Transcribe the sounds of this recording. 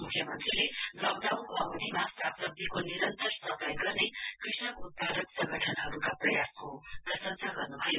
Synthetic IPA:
mukʰjʌmʌnt̪rilelʌwd̪awkoʌd̪imasapsʌb̚d̪ʱikoniɾʌnt̪ʌrsʌpʌjɡʌrnekrisnʌkut̪̚pad̪ʌksʌ̃ŋɡʱʌʈʰʌnɦʌɾukaprʌjaskod̪ʌsʌnsaɡʌrnubʱʌjo

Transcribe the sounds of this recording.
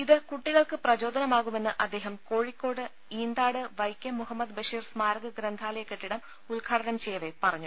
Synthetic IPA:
iðɨkuʈːiɣɐɭkɨprɐd͡ʑo̞ːd̪ʱɐnɐmaːɣume̞nːɨʔɐd̪ːe̞ːɦɐmko̞ːɻikːo̞ːɽɨ | iːnd̪aːɽɨʋɐjkʲːjɐmːuɦɐmːɐd̪bɐʂiːrsmaːɾɐɣɐɡɾɐnd̪ʱaːlɐjekːeʈːiɽɐm | ulɡʰʱaːɽɐnɐmt͡ɕejːɐʋepɐrɐɲːu

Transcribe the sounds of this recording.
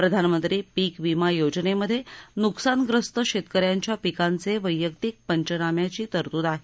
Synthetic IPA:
pɾəd̪ʱanmənt̪ɾiːpiːkʋimajod͡ʑneməd̪ʱːjenuksanɡɾəst̪əɕet̪kəɾjaɲt͡ɕjapikant͡seʋəjːəkt̪ik̚pəɲt͡ɕənamjat͡ɕiːt̪əɾt̪uːd̪aɦe

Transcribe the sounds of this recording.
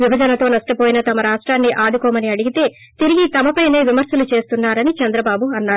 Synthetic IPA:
ʋibʱɐd͡ʒɐnɐt̪o̞ːnɐʂʈɐpoːjinɐt̪ɐmɐɾaːʂʈɾaːnːiʔaːd̪ukɔːmɐniɐɽiɡit̪e̞ː | t̪iɾiɡit̪ɐmɐpɐjne̞ːʋimɐɾsɐlut͡ʃe̞ːst̪unːaːɾɐnit͡ʃɐnd̪ɾɐbaːbuɐnːaːɾu

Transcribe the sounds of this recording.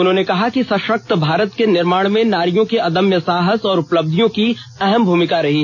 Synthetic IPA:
ʊnɦõːnekɐɦakisɐ̃ʃək̚t̪bʱaːɾət̪kenɪɾmaːɽ̃mẽnaːɾijõkeɐd̪əmjəsaːɦəsɔːɾʊpləb̚d̪ʱijõkiɛɦɛmbʱuːmɪkaɾɐɦiː

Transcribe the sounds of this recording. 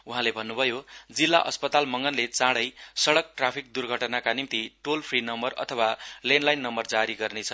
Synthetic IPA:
uɦãlebʱʌnːubʱʌjod͡zilːa̰ʔʌ̰spʌt̪almʌŋɡʌnlet͡sãɽʌjsʌɽʌk̚ʈrapʰik̚d̪urɡʱʌʈnakanimt̪iʈolpʰrinʌmbʌrʌ̰t̪ʰʌwalenlajnːʌmbʌrd͡zaɾiɡʌrnet͡sʰʌ

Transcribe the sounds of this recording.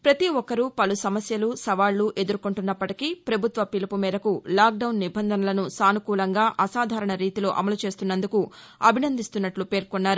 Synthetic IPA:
pɾɐt̪iɔkːɐɾupɐlusɐmɐsjɐlusɐʋaːɭːuʔe̞d̪uɾukuɳʈunːɐpːɐʈikipɾɐbʱut̪ʋɐpilipumiːd̪ɐkulaːk̚ɖɐwunːibʱɐnd̪ʱɐnɐlɐnusaːnukuːlɐŋɡaːʔɐsaːd̪ʱaːɾɐɳɐɾiːt̪ilo̞ːʔɐ̰mɐlut͡ʃe̞ːst̪unːɐnd̪uku | ɐbʱinɐnd̪ʱist̪unːɐʈlupe̞ːɾkonːaːɾu

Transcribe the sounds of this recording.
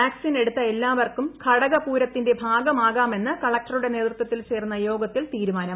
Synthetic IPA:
aːksine̞ɽut̪ːɐe̞lːaːʋɐrkumkʰɐɽɐɣɐpuːɾɐt̪ːinde̞bʱaːɡɐmaːɣaːme̞nːɨkɐɭɐk̚ʈɐruɽe̞ne̞ːt̪rut̪ːɐt̪ːilt͡ɕe̞ːrnːɐjo̞ːɡɐt̪ːilt̪iːɾumaːnɐm

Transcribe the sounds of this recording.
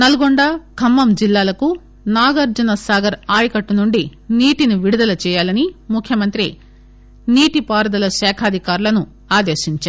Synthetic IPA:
nɐluɡoɳɖaːkʰɐmːɐmd͡ʒilːaːlɐku | naːɡɐɾd͡ʒɐnɐsaːɡɐɾaːjɐkɐʈːunuɳɖiniːʈiniʋiɽud̪ɐlɐt͡ʃɛːjaːlɐnimukʰːjɐmɐnt̪ɾi | niːʈipaːɾɐd̪ɐlɐʃɛːkʰaːd̪ʱikaːɾulɐnu | aːd̪eːʃiɲt͡ʃaːɾ

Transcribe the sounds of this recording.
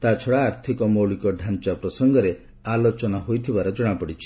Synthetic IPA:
t̪at͡ʃʰɔɽaːɾt̪ʰikɔmoɭikɔɖʱant͡ʃapɾɔsɔŋɡɔɾe | alot͡ʃɔnɔɦojt̪ʰibaɾɔd͡ʒɔɽ̃apɔɽit͡ʃʰi̥

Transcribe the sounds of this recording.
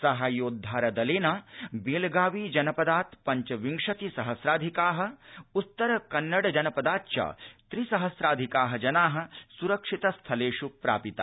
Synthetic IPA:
sɐɦaːjoːd̪ʱːaːɾɐd̪ɐleːnaːbeːlɡaːʋiːd͡ʒɐnɐpɐd̪aːt̪pɐɲt͡ʃɐʋiŋʂɐt̪isɐɦɐsɾaːd̪ʱikaːɦɐ̆ut̪ːɐɾɐkɐnːɐɽd͡ʒɐnɐpɐd̪aːt̪t͡ʃɐ̰t̪ɾisɐɦɐsɾaːd̪ʱikaːɦɐd͡ʒɐnaːɦɐ̆suɾɐkʂit̪ɐst̪ʰɐleːʃupɾa̰ːpit̪a

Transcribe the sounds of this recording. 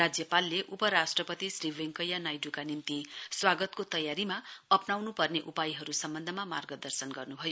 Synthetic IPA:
rad͡zjʌpalːeʔupʌɾasʈrʌpʌt̪isriweŋkʌjanajɖukanimt̪iswaɡʌt̪kot̪ʌjaɾimaʌpnawnupʌrneʔupajiɦʌɾusʌmbʌnd̪ʱʌmama̰rɡʌd̪ʌrsʌnɡʌrnubʱʌjo

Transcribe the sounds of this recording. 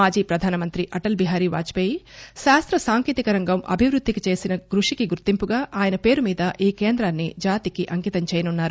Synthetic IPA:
aːd͡ʒiːpɾɐd̪ʱaːnɐmɐnt̪ɾiʔɐʈɐlbiɦaːɾiːʋa̰ːt͡ʃi̥peːjiʃaːst̪ɾɐsaːŋkiːt̪ikɐɾɐŋɡɐmʔɐ̰bʱiʋɾud̪ʱːikit͡ʃe̞ːsinɐɡɾuʂikiɡuɾt̪impuɡaːʔaːjɐnɐpe̞ːɾumiːd̪ɐʔiːkeːnd̪ɾaːnːid͡ʒaːt̪ikiʔɐŋkit̪ɐmt͡ʃɛːjɐnunːaːɾu

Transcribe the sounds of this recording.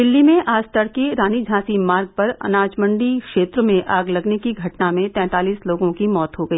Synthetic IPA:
d̪ɪlːimẽʔaːd͡ʒt̪əɽkeɾaːnid͡ʒʱãːsimaːɾɡ̚pɐɾɐ̰naːd͡ʒmə̃ɳɖikʃeːt̪ɾəmẽʔaːɡlɐɡnekiɡʱɐʈnamẽt̪ɛ̃ːt̪aːliːsloːɡõkimɔːt̪ɦoɡɐiː

